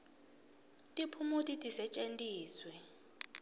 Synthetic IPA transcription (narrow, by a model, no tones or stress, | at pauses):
tʼipʰumutʼitʼisɛt͡ʃʼentʼiːswɛ